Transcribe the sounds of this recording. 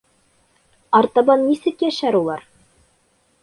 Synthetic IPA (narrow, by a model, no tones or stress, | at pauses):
ɑɾt̪ɑbɑnːisɘkjæʃæɾulˠɑɾ